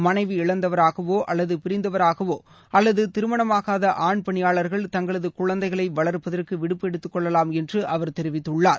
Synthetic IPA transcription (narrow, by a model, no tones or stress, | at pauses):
mɐnɐɪʋɯɪɭɐnd̪ɐʋɐɾaːɣɐʋoːʔɐlːɐðɯpɪɾɪnd̪ɐʋɐɾaːɣɐʋoː | ʔɐlːɐðɯt̪ɪɾɯmɐɳɐmaːɣaːðɐʔaːɳpɐɳɪjaːɭɐɾɣɐɭt̪ɐŋɡɐɭɐðɯkʊɻɐnd̪ɐɪɣɐɭɐɪʋɐɭɐɾpːɐðɐrkɯʋɪɽɯpːɛɽɯt̪ːɯkːɔɭːɐlaːmɛndrɯʔɐʋɐɾt̪ɛɾɪʋɪt̪ːɯɭːaːɾ